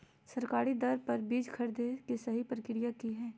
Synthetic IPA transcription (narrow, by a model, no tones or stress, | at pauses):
sɐɾkaːɾid̪ɐɾpɐɾbiːd͡ʒkʰɐɾd̪ekesɐɦipɾəkɪɾijakiɦɛ̃ː